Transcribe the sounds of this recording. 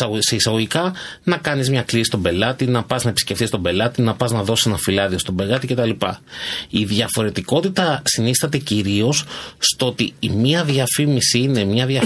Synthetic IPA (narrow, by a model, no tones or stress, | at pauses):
seisɐɣoʝikɐnɐkɐnizmɲɐklisi̥st̪o̞be̞lɐt̪inɐpɐznɐe̞pisce̞fθist̪o̞be̞lɐt̪inɐpɐznɐðo̞si̥senɐfilɐðio̞st̪o̞be̞ɣɐt̪ice̞t̪ɐlipɐiðʝɐfo̞ɾe̞t̪iko̞t̪it̪ɐsinisθɐt̪e̞ciɾio̞sst̪oo̞t̪iːmiɐðiɐfimisiine̞mɲɐðʝɐ